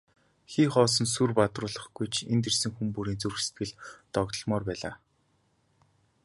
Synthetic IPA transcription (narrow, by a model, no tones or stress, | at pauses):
xiːχɔːs̬ɞ̆nsurpat̪rʊːɮə̆χɡ̥ujt͡ɕʰent̪ersɘ̆ŋxumpuɾiːnt͡surxse̥t̪̚ɡɘ̆ɮt̪ɔɣt̪ɞ̆ɮmɔːrpæːɮa̰ː